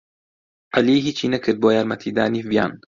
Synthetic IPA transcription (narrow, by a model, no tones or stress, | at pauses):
ʔaliːɦiːt͡ʃʰinɐkʰəd̪̚bojaɾmat̪ʰid̪a̰ːnivja̰n